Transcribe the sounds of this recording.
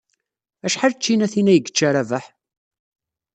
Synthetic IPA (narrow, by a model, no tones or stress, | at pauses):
æʃħalt͡ʃːinæθinæjəɡːə̥t͡ʃːaɾævəħ